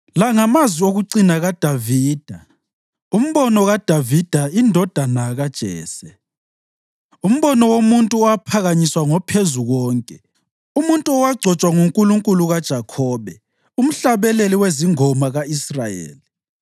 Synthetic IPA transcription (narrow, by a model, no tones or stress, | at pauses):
laŋamazwioɣuǀinaɣad̥ʱaviːd̥ʱa | um̩βɔnɔɣad̥ʱavid̥ʱaindʱɔd̥ʱanaɣad̥ʒ̥ʱɛ̰ːsɛ | um̩βɔnɔwomuntʼuɔwapʰaɣaɲiswaŋɔpʰezuɣɔːŋkʼɛ | umuntʼuɔwaɡ͡ǀʱɔt͡ʃʼwaŋuŋkʼuluŋkʼuluɣad̥ʒ̥ʱakʰɔːβɛ | um̩ɬaβɛleliweziŋɔmaɣaisrajḛːli